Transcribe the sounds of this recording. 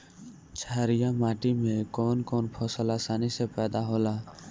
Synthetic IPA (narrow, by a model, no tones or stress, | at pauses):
t͡ʃʰaːɾijamaːʈimẽkoːnkoːnpʰɔːsəlasaːnisepɛːd̪aɦoːlaː